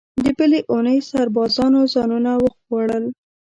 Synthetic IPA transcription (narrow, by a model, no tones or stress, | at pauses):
d̪əpəleʔunəjsaɾbɑzɑnozɑnunawəxaɽəl